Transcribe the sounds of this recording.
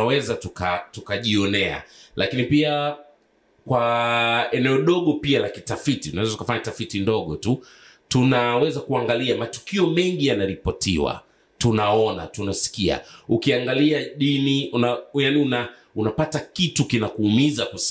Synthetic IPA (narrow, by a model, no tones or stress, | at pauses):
awɛzatukatukaʄiɔnɛa̰lʔakinipia | kwa | ɛnɛɔɗɔɠɔpialakitafititunawɛzatukafaɲatafitindɔɠɔtu | tunawɛzakuaŋɡaliamatu̥kiɔmɛŋɡijanaɾipɔtḭwa̰ | tunaɔna̰tunasi̥kia̰ukiaŋɡaliaɗiniunajaniuna | unapatakitukinakuːmizaku